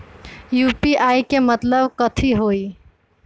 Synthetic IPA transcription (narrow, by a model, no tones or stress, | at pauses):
juːpiʔaikemət̪ləbkət̪ʰiɦoi